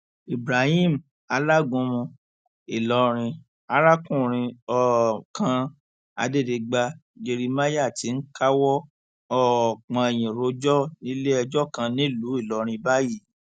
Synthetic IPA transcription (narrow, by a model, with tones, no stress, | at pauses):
i˨bɾa˨hi˦m̩˨ | a˧la˦˨ɡũ˧mũ˧ | i˨lɔ˧˦ɾ̃ĩ˧ | a˨˦ɾa˦kũ˦˨ɾ̃ĩ˧ɔ˧kʰã˧ | a̰˧de˦˨de˧ɡ͡ba˧d͡ʒe˧ɾi˧ma˦ja˦˨ti˨˦n̩˦ka˦wɔ˦ | ɔ˦˨k͡pã˧ɛ˨j̃ĩ˨ɾo˧˦d͡ʒɔ˦nĩ˦le˦ɛ˧d͡ʒɔ˦kã˧nĩ˦lu˨˦i˦˨lɔ˧ɾ̃ĩ˧ba˦ji˦˨